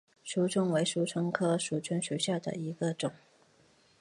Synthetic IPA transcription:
ʂu˧˥ʈ͡ʂʰʊ˥ŋwe˧˥ɪʂu˧˥ʈ͡ʂʰɤ˥ŋkʰɤ˥ʂu˨˥˩t͡ɕʰɥə˧˥nɕy˧˥ɕja˥˩d̪ə̰˨˩i˧˥ɡə˧ʈ͡ʂʊ˨˩˦ŋ

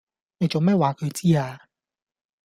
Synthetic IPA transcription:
me˨˩jt͡so˨˩mɛː˥˩waː˨˥kʰɤ˨˧jt͡siː˥˩aː˧

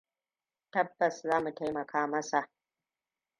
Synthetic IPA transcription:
tɐ˦bːɐ˨szaː˦mu˨ta˦jmɐ˨kʰaː˦mɐ˦sa˨ʔ

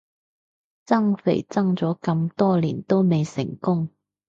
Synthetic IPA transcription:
t͡sɐ˥ŋfḛ˨˩jt͡sɐ˥ŋt͡sɔː˨˥kɐ˧mt̪ɔː˥liː˨˩nt̪o˥wme˨˧jsɪ˨˩ŋkʊ˥ŋ

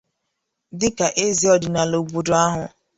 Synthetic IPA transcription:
dɪ˦ka˨ʔe˦zi˨ɔ˦dɪ˨na˨lo˨bu˨do˨a˦ɦʊ˨

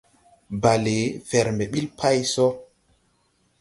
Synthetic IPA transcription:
ba˨le˨˦vɛ˨ɾmɛ˨ɓi˦lpʰa˦jsɔ˦

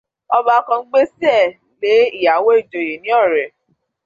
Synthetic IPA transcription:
ɔ˧ba˧˦kã˧ŋ͡m̩˦ɡ͡be˦si˦ɛ˦˨ | le˨˦i˦˨ja˨˦wo˦i˦˨d͡ʒo˨je˨nĩ˨˦ɔ˦˨ɾɛ˨

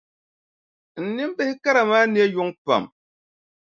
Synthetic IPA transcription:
n̩˨nɨ˦m˦bɨ˦hɪ˦ka˦ɾa˨maː˦ni˦e˦jʊ˦ŋpa̰˨m

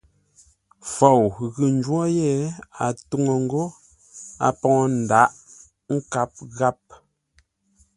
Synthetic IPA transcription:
fɔ˨wɣʉ˨n̩˦d͡ʒwɔ˦jɛ˦˨a˨tu˦ŋo˨ŋ̩˦ɡo˦ | a̰˨pɔ˨ŋɔ˦n̩˨da˨˦ʔ | ŋ̩˦ka˨˦p̚ɣa˦p̚

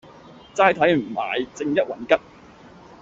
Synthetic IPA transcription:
t͡saː˧˥jt̪ʰɐ˨˥jm̩˨˩ma̰ː˨˩jt͡sɪ˧ŋjɐ˥t̚wɐ˨˩nkɐ˥t̚

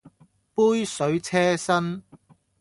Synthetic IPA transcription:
puː˥jsɵ˨˥ɥt͡sʰɛː˥sɐ˥n

